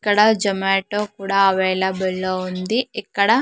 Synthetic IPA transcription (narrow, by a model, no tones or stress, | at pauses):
kːɐɽɐd͡ʒɐmeːʈoːkuːɽaːɐʋɛːlɐbelːoːund̪iikːɐɽɐ